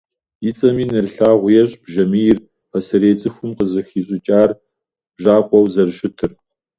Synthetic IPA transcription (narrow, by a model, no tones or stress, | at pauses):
jit͡sʼɐmiːnɨrɬaːʁʷʊjɛɕʼb̥ʒɐmijɪr | pɐsɐɾeːt͡sʼɨxʷʊmqəzɨxiːɕʼɪt͡ʃʼaːr | b̥ʒaːqʷʼɔwzɐrɕɪtʰɨr